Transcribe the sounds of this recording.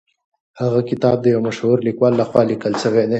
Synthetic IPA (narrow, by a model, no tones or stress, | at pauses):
haɣakɪt̪ɑːb̚d̪əjawmaʃhuɾlikwɑːlːaxwɑlikəlsəwene